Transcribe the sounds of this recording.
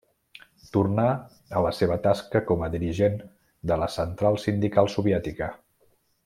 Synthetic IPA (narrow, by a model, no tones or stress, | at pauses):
t̪urna | ələseβ̞ət̪askəkɔməðiɾiʒen | d̪ələsənt̪ɾalˠsind̪ikalˠsuβjɛt̪ikə